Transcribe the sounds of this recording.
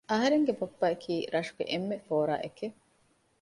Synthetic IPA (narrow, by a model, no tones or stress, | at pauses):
ɐɦɐɾeŋɡebopːɐekʰiːɾɐʂuɡḛʔemːefoːɾa̰ːʔeke